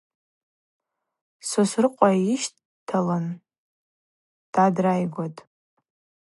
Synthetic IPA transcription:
sosrɨqʷʼaiʃt | tʰalan | d̥adrajɡʷatʼ

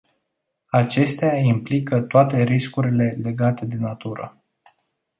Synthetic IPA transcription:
at͡ʃe̞st̪eaimplikət̪oat̪e̞ɾiskuɾile̞le̞ɡat̪e̞d̪e̞nat̪uɾə̰

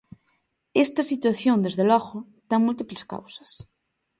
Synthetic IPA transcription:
est̪asit̪waθjond̪ezðelɔɣo | t̪aŋmult̪ipleska̰wsḁs

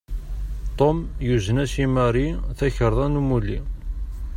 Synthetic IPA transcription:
t̪ˤomjuzənæsimæɾiθæçəɾˤðˤænumːuli

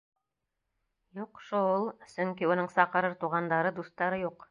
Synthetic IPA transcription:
juqʃoulˠsɵŋkiunɤɴsɑqɤ̆ɾɤɾt̪uʁɑnd̪ɑɾɤd̪ust̪ːɑɾɤjuq

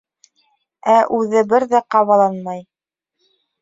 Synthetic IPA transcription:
æʔʉðɘbɘɾðæqɑβɑlˠɑnmɑj

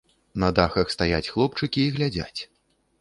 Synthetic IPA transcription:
nɐd̪axɐxst̪aja̰t͡sʲxlˠɔp̚t͡ʂɨkʲiːɣlʲad͡zʲa̰t͡sʲ

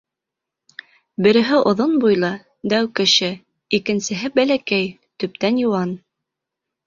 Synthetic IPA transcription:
bɘ̆ɾɘ̆ɦɘʔŏðonbujlˠɑ | d̪æwkɘ̆ʃɘ | ikɘ̆nsɘ̆ɦɘbælækæj | t̪ɵ̆p̚t̪ænjuwɑn

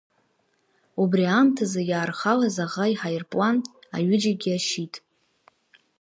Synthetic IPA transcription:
ubriamtʰazajaːrχalazaʁaiħajɪrpʼlana̰ɥɪd͡ʒaɡʲiaʃitʼ

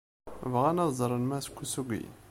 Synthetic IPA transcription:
vʁænɑðzˤɾˤənmæskʷːusuɡʷḭ

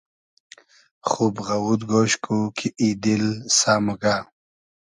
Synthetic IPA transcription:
χubɣawud̪ɡoːɕkʰukʰiid̪ilsaːmuɡa

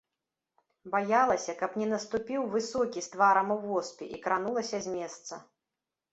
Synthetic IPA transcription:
bajalˠɐsʲɐkɐpnʲɛnɐst̪upʲiwvɨsɔkʲist̪vaɾɐmɨwvɔspʲiʔikɾan̪ulˠɐsʲɐzʲmʲɛst̪sɐ

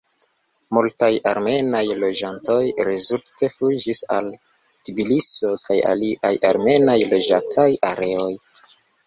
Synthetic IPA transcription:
multajaɾme̞najlo̞d͡ʒanto̞jɾezultʰe̞fuid͡ʒisa̰l | tibiliso̞kaja̰liʔa̰jʔaɾme̞najlo̞d͡ʒatʰajaɾe̞o̞j

